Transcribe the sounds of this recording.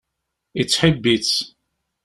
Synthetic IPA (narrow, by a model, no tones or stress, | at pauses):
it͡sːħəbːit͡s